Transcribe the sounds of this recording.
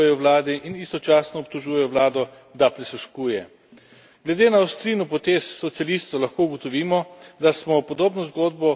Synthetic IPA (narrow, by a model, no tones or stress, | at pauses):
ɛjɔwlaːd̪iʔinist̪ɔt͡ʃaːsnɔːp̚t̪ɔʒuːjɛjɔʋwlaːd̪ɔ | d̪apɾisuʃkuːjɛ | ɡlɛd̪eːnaːwst̪ɾiːnɔpɔt̪esːɔt̪sialist̪ɔlaxkouɡɔt̪ɔʋiːmɔd̪asmɔpɔd̪oːbnɔzɡod̪̚bɔ